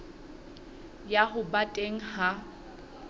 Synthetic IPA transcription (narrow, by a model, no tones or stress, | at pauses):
jaɦʊbatʼeŋ̩ha